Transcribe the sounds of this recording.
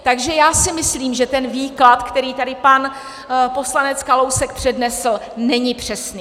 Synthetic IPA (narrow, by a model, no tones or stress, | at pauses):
t̪aɡʒɛjaːsɪmɪsliːmʒɛt̪ɛnviːklat̪kt̪ɛɾiːt̪adɪpan | po̞slanɛt͡skalowsɛkpr̝̥ɛdnɛsl̩ | nɛɲɪpr̝̥ɛsniː